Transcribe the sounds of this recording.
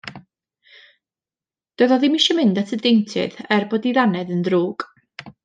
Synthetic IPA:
d̥əðɔðɪmiʃɔmɪndatʰədejntʰɨ̰ðɛrboːdiðanɛðəndruːɡ̥

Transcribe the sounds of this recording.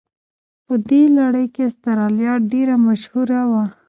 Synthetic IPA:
pəd̪elaɽəjkest̪aɾɑljɑʈ̚ɖeɾamaʃhuɾawa

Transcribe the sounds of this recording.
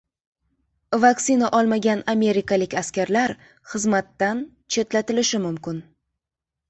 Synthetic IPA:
vaksinaʔɒlˠmaɡʲaname̞ɾɪkalɪkʲaskʲaɾlaɾ | χɨzmat̪ːan | t͡ʃʰe̞t̪lat̪ɪlɪʃɪmʊmkʲɪn

